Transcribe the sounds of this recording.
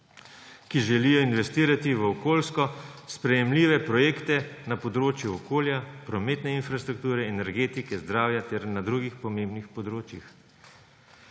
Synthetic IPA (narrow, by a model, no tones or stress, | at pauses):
kiʒɛliːjɔinʋɛst̪iːɾat̪iʋəɔkoːlskɔspɾɛjɛmliːʋɛpɾɔjeːkt̪ɛnapɔd̪ɾoːt͡ʃjuɔkoːljapɾɔmeːt̪nɛinfɾast̪ɾuk̚t̪uːɾɛɛnɛɾɡeːt̪ikɛzd̪ɾaːwjat̪ɛɾnad̪ɾuɡixpɔmẽmbnixpɔd̪ɾoːt͡ʃjix